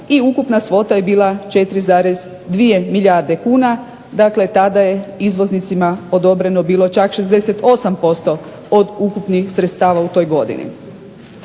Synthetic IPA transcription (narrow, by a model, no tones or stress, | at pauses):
iukupnasʋo̞t̪aje̞biːlˠat͡ʃe̞t̪ɾizaːɾez | d̪ʋije̞miʎʲjaɾd̪e̞kuːna | d̪akle̞t̪ad̪aje̞izʋo̞znit̪simao̞d̪o̞bɾe̞nobiːlˠo̞t͡ʃakʃezd̪e̞set̪o̞sampo̞st̪o̞ | od̪ukupnixsɾet̪st̪aːʋaut̪o̞jɡo̞d̪ḭnḭ